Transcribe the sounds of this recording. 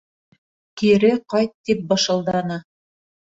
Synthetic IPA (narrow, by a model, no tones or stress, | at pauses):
kiɾɘqɑjt̪ːip̚bɤ̆ʃɤ̆lˠd̪ɑnɤ